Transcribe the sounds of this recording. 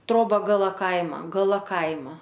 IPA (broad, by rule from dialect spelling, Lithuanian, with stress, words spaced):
ˈtroːbɐ ɡɐˈlˠɐ ˈkɐɪmɐ ɡɐˈlˠɐ ˈkɐɪmɐ